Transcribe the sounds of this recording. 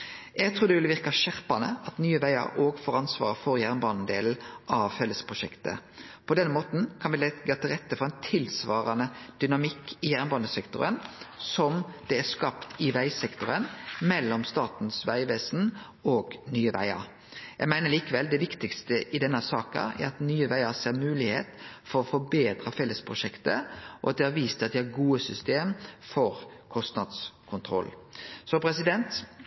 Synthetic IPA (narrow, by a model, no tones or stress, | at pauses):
jæɡt̪ʰɾuːɾd̪ɛʋɪlʋɪʁkɑʃæʁpɑnə̰ɑt̪nyːəʋæɪɑ̰ɾʔoːɡfɔɾɑnsʋɑ̰ːɾfɔɾjæʁnbɑːn̩d̪eːln̩ʔɑʋfɛlːəspʰʁʊʃɛkt̪ə̰pʰɔd̪ɛnːəmoːt̪n̩kʰɑnʋɪlɛɡɑːt̪ʰɪlʁɛt̪ːəfɔɾɛɪnt̪ʰɪlsʋɑːɾɑnəd̪̥ʏnɑmɪkːɪjæʁnbɑːnəsɛkt̪ʊ̰ɾənsɔmd̪̥ɛæskɑpt̪ɪʋæɪsɛkt̪ʊɾənmɛlːɔmst̪ɑːt̪nsʋæɪʋeːsn̩ | oːɡnyːəʋæ̰ɪɑ̰ɾ | jæɪɡmæɪnəliːkəʋɛld̪ɛʋɪkt̪ɪkst̪əʔɪd̪ɛnːəsɑːkə̰æ̰ɾɑt̪nyːəʋæɪɑseːɾmʉːlɪhḛːt̪fɔɾɔfɔbeːd̪ɾɑfɛlːəspʰɾʊʃɛkt̪əʔɔ̰ɑt̪̚d̪ɛhɑɾʋiːst̪ɑt̪̚d̪ɛhɑɾɡuːəsʏst̪eːmfɔɾkʰɔst̪nɑd̪skʰʊnt̪ʰɾɔ̰lsɔpʰɾɛsɪd̪ɛnt̪